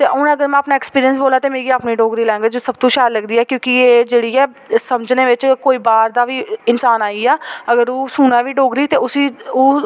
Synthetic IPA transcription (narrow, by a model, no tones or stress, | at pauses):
t̪eːʔʊñəɡəɾmɛ̃ːapnaːɪkspiːɾijəns̬boːlaːt̪eːmeːɡiːaːpniːɖoːɡɾiːlɛ̃ːŋɡed͡ʒsəb̚t̪õːʃaːɾləɡd̪iːɛːkjõːkɪeːd͡ʒeːɽiːɛː | səməd͡ʒneːʋɪt͡ʃkoːiːbaːɾd̪aːʋiːɪnsaːnaːiːɛːəɡəɾoːsuːnaːʋiːɖoːɡɾiːt̪eːʊsiːoː